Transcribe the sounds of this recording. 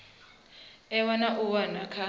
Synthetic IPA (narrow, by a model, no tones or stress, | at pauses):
ɛwanaʔuwanakʰa